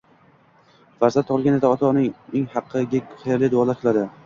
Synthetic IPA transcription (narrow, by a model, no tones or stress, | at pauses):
vaɾzat̪ʰːɒpɨlˠɡʲaned̪aɒt̪ʰɒnɪŋeŋhɑqʰːɨɡʲḁχɾlɪd̪ʊwɒlˠaɾqʰɨlˠad̪ɪ